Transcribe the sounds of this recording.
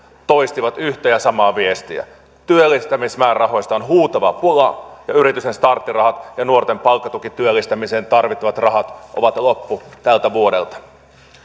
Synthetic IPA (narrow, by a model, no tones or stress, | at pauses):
t̪o̞jst̪iʋɑt̪yht̪æjɑsɑmɑːʋiest̪iæ̰ | t̪yølːˑist̪æmismæːrɑɦojst̪ɑonɦuːt̪ɑʋɑpulɑjɑyɾit̪ysenst̪ɑrt̪ːirɑhɑt̪jɑnuort̪empɑlkːɑt̪ukit̪ːyølːist̪æmiseːnt̪ɑrʋit̪ːiʋɑt̪rɑɦɑt̪ʔo̰ʋɑt̪lopːut̪ælt̪æʋuodḛlt̪ɑ̥